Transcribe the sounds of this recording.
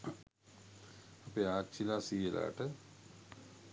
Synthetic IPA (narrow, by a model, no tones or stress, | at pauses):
ɐpeaːt͡ʃʰilaːsiːela̰ːʈə